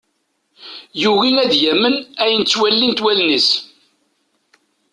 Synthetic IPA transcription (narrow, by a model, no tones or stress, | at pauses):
juɣinæðjæmːənæjənt͡sːwælːint̪wælnis